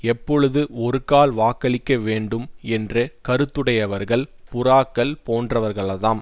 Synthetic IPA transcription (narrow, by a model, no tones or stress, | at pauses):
ɛpːɔɻɯðɯɔɾɯkaːlʋaːkɐɭɪkːɐʋeːɳɖɯmɛndrɐkɐɾɯt̪ːɯɽɐjɐʋɐɾɣɐɭpʊraːkːɐɭpoːndrɐʋɐɾɣɐɭɐðaːm